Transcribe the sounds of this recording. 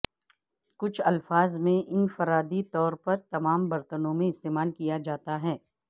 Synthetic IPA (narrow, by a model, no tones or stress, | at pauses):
kʊt͡ʃʰɐlfaːzmẽʔɪnfɐɾaːd̪it̪ɔːɾpɐɾt̪ɐmaːmbɐɾt̪ənõmẽɪst̪eːmaːlkijad͡ʒaːt̪aɦɛː